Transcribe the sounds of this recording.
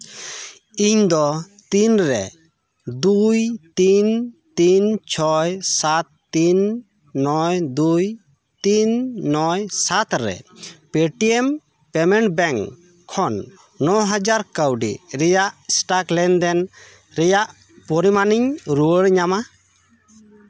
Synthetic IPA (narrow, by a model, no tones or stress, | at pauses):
iɲd̪ɔ | t̪inɾɛ̰ | d̪ujt̪int̪int͡ʃʰɔjsat̪ːinː | ɔjd̪uj | t̪inːɔjsat̪ɾɛ̰pɛʈiɛm | pɛmɛɳʈ̚bɛŋ | kʰːɔnː | ɔɦad͡ʒaɾkəwɖḭɾɛjaʔsʈaklɛnd̪ɛn | ɾɛjaʔ | pɔɾimaniɲɾuəɽɲama